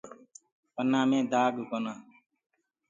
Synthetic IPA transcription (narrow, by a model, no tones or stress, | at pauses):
pənːãːmẽːd̪aːɡɡonãː